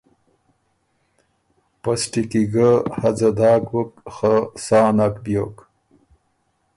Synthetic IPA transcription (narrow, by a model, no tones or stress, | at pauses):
pasʈikiɡəhad͡zɐd̪aːkwəkxasaːnakbjo̰k